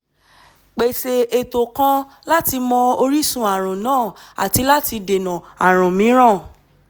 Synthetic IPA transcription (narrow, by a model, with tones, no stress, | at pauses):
k͡pe˨se˧ʔe˧to˨kã˧ | la˦ti˧mɔ̃˧o˧ɾi˦sũ˧˦a˨ɾ̃ũ˨nãː˦˨a̰˨ti˨˧la˦ti˧de˨nã˨a˨ɾ̃ɔ̃˨mĩ˨˦ɾ̃ã˦˨